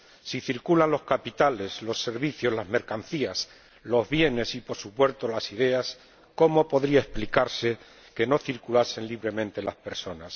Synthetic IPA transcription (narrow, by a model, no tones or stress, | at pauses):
siθiɾkulanlo̞hkapit̪ale̞slo̞sːe̞ɾβiθjo̞zlazme̞ɾkan̟θias | lo̞zβje̞ne̞sipo̞ɾsupwe̞ɾt̪o̞lasið̞e̞as | ko̞mo̞po̞ðɾiae̞splikaɾse̞ | ke̞no̞θiɾkulase̞nliβɾe̞mẽnt̪e̞laspe̞ɾso̞nas